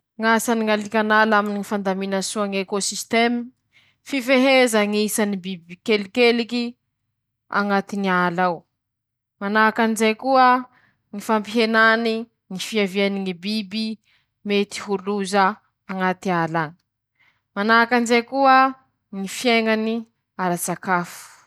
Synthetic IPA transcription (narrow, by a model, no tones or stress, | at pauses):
ŋasaniŋalikʲanalaminiŋifand̪aminasuaŋekosist̪emi | fifeɦezəŋiisanibibikelikeliki | a̰ŋat̪inialaw | manakanzekuə | ŋifampiɦenani | ŋifiavianiŋibibi | met̪i̥ɦuluzə | aŋat̪ialani̥ | manakanzekuə | ŋifjeŋani | aɾat͡sakafu̥